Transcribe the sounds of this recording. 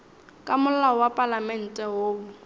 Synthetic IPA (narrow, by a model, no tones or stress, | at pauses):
kʼamʊl̩laɔwapʼalamɛn̩tʼɛɦoːbʊ